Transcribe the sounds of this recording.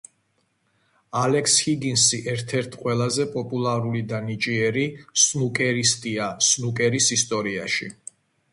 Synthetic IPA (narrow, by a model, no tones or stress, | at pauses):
alɛkʰshiɡinsiʔɛɾt̪ʰɛɾt̪ʰqʼwɛlˠazɛpʼɔpʼulˠaɾulid̪anit͡ʃʼiɛɾisnukʼɛɾist̪ʼiasnukʼɛɾisist̪ʼɔɾia̰ʃḭ